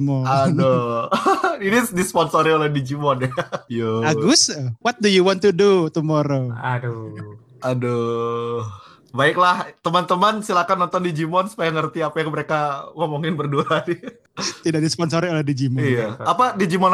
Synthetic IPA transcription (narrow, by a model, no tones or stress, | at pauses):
mɔado | inidispɔnsoɾiolɛhdid͡ʒimɔnjajoaɡʊswɔt̪̚dujuwɔnt̪udut̪umɔɾoad | ado | baɪklaht̪əmant̪əmansilakanːɔnt̪ɔndid͡ʒimɔnsu̥pajaŋərt̪iapajaŋməɾekaŋomoŋɪnbərduani | t̪idaʔ̚dispɔnsoɾiolɛhdid͡ʒimɔijaapadid͡ʒimɔn